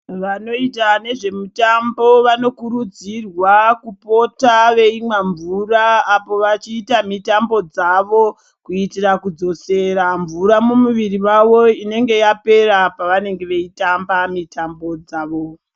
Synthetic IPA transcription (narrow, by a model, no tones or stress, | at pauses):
ʋano̞itane̞ʐe̞mutambo̞ʋano̞kuɾud͡zirwakupo̞taʋe̞imwaɱvuraːpo̞ʋat͡ʃiːtamitambo̞d͡zaʋo̞ | kuitirakud͡zo̞se̞ɾaɱvuɾamumuʋiriʋaʋo̞ine̞ŋɡe̞jape̞ɾapaʋane̞ŋɡe̞ʋe̞itambamitambo̞d͡zaːʋo